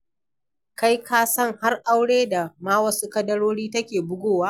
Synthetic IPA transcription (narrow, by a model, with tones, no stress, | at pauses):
ka˦jkaː˦sɐ˦ŋha˦rʔa˦wɽeː˦da˨maː˦wɐ˦su˦kɐ˦dɐ˦ɽoː˦ɽiː˦tɐ˦kʲeː˨bʊ˦ɡʷoː˦˨waː˦